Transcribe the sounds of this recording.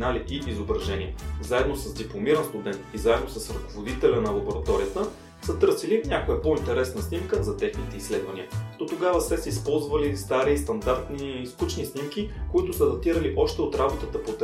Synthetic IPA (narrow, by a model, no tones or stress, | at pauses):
naliʔiʔizobɾɐʒɛnʲiɛ̰zaɛd̪nosɐzd̪iplˠomiɾənst̪ud̪ɛnt̪izaɛd̪nosəsɾɐkovod̪it̪ɛlʲɐnɐlˠɐboɾɐt̪ɔɾijət̪ə | sət̪ɤɾsilinʲakojɐpoint̪ɛɾɛsnəsnimkəzɐt̪ɛxnit̪ɛisːlɛd̪vɐnʲiəd̪̥ot̪oɡavəsɛsɛispɔlˠzvəlist̪aɾist̪ɐnd̪aɾt̪niiskut͡ʃnisnimkikoit̪ʊsəd̪ɐt̪iɾəliʔɔʃt̪ɛot̪ɾabot̪ət̪əpot̪